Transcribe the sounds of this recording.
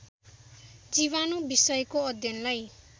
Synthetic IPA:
d͡ziβanobisʌjkoʌd̪ʱjʌnlaj

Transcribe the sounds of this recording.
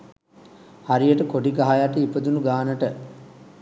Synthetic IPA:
haɾijəʈəkoɖiɡaɦajaʈəipəd̪unuɡaːnəʈə

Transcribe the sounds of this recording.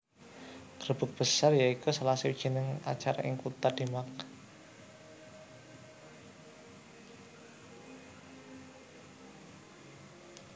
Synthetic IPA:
ɡ̥ɾəb̥ə̤k̚b̥əsarjaikusalasiwid̥d͡ʒ̥i̤nɪŋa̰t͡ʃaɾa̰ʔɪŋkut̪ad̥̪imak

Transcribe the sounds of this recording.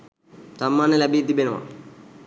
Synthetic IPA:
sɐmːaːnɐlɐbiːd̪ibenɐma̰

